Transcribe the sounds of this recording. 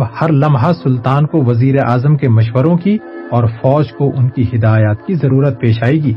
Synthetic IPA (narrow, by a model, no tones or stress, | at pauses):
bhɐɾlɐ̃mɦasʊlt̪aːnkoʋɐziːɾeʔaːzəmkemɐʃʋəɾõkiɔːɾfɔːd͡ʒkoʔʊnkiɦɪd̪aːjaːt̪kizɐɾuːɾət̪̚peːʃaːiɡiː